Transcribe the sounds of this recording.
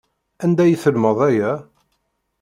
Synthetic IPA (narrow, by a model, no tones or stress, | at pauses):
ænd̪æjəθəlməðˤæjæ